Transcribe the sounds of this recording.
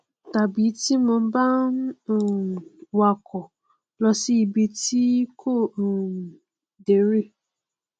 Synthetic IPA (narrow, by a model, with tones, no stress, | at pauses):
ta˨bi˨˦ti˦mʊ̃˨m̩˦ba˦n̩˦˨wa˨kʰɔ˨ | lɔ˧si˦i˧bi˧ti˦kʰo˦˨ | de˨˦ɾi˦˨